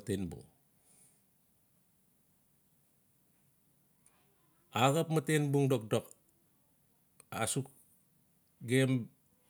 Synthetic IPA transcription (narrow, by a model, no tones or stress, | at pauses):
tenbṵŋ | aɣapmatenbuŋdok̚dok | a̰suk̚ | ɡem